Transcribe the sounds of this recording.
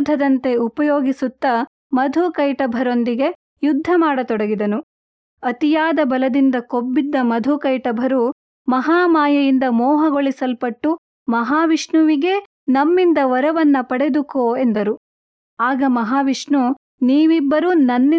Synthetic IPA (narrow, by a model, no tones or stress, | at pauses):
d̪ʱːɐd̪ɐnt̪e̞upɐjoːɡisut̪ːɐ | mɐd̪ʱukɐjʈɐbʱɐɾo̞nd̪iɡe̞ | jud̪ʱːɐmaːɽɐt̪ɔɽɐɡid̪ɐnu | ɐt̪ijaːd̪ɐbɐlɐd̪ind̪ɐkobːid̪ːɐmɐd̪ʱukɐjʈɐbʱɐɾu | mɐɦaːmaːjɐjind̪ɐmɔːɦɐɡoɭisɐlpɐʈːu | mɐɦaːʋiʂɳuʋiɡe̞ | nɐmːind̪ɐʋɐɾɐʋɐnːɐpɐɽe̞d̪ukoːe̞nd̪ɐɾu | aːɡɐmɐɦaːʋiʂɳu | niːʋibːɐɾunɐnːi